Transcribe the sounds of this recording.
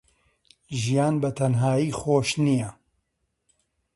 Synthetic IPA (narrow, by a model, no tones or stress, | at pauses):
ʒijaːnbɐt̪ʰɐnɦaːjiːxoːʃnijɛ